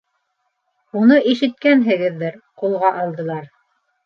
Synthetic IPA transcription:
unɤʔiʃɘ̆t̪̚kænɦɘ̆ɡɘðːɘɾqulˠʁɑʔɑlˠd̪ɤ̆lˠɑɾ

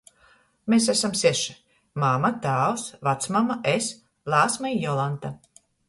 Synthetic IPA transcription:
mesæsamsɛʃi̥ | mamat̪aːwsvat̪smamaʔes | lˠaːsmaijɔlˠant̪a

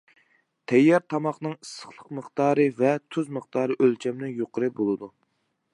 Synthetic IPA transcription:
t̪ʰɛjːɑɾt̪ʰɑmɑχnɨŋəsːə̥χlˠəqməχt̪ɑːɾɨvɛt̪ʰyzməχt̪ɑːɾɨʔølt͡ʃʰɛmnɪŋjoqʰəɾɨbolˠɨd̪u

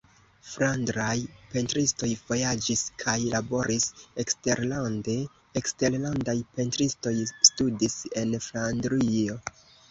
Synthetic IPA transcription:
fɾandɾajpe̞ntɾisto̞jv̥o̞jad͡ʒiskʰajlabo̞ɾʔisekste̞ɾlande̞ː | kste̞ɾlandajpe̞ntɾisto̞jstudise̞nflandɾio̞

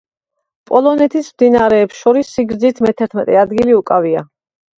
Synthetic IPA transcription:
pʼɔlˠɔnɛt̪ʰismd̪inaɾɛːpsʃɔɾisːiɡɾd̪zit̪ʰmɛt̪ʰɛɾt̪ʰmɛt̪ʼɛad̪ɡiliukʼavia

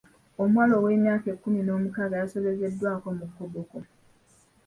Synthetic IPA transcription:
omwaːlo̞wenjaːkekːumino̞ːmukaɡajaso̞βe̞ze̞dːwaːko̞mukːoboko

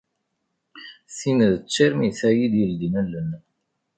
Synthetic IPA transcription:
θiməðət͡sːiɾmiθæjid̪jəld̪inəlːən

